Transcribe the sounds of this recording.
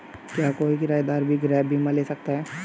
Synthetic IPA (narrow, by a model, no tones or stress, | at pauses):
kjaːkoːikɪɾaːjd̪aːɾbʱiɡɪɾɛːbʱimãleːsɐk̚t̪aɦɛː